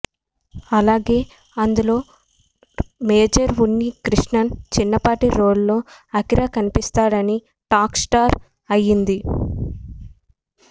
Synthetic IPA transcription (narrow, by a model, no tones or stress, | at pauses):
ɐlaːɡe̞ː | ɐnd̪ulo̞ː | meːd͡ʒɐɾʋunːikɾiʂɳɐnt͡ʃinːɐpaːʈiɾoːɭlo̞ːɐkiɾaːkɐnipist̪aːɽɐni | ʈaːksʈaːɾ | ɐjind̪i